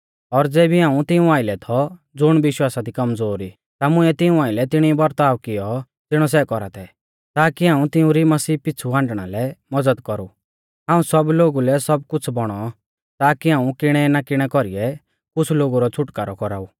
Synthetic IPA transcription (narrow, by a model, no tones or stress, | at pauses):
ɔɾd͡zɛːbʱiɦãːũt̪ɪũaːɪlɛt̪ʰɔ | d͡zʊɽ̃ʋɪʃwaːsad̪ikɐmd͡zoːɾi | t̪amʊɛt̪ɪũaːɪlɛt̪ɪɽ̃ibɐɾt̪aːʋkɪjɔ | t̪ɪɽ̃ɔsɛkɔɾa̰t̪ʰɛ | t̪aːkiɦaːũt̪ɪũɾimɐsiːpɪt͡sʰuãːɳɖɽ̃a̰lɛmɐd͡zəd̪kɔɾu | ɦaːũsɔbloːɡulɛsɔb̚kʊt͡sʰbɔɽ̃ɔ | t̪aːkiɦãːũkɪɽ̃ɛnakɪɽ̃ɛkɔɾiɛ | kʊt͡sʰloːɡuɾɔt͡sʰʊʈka̰ːɾɔkɔɾaːuː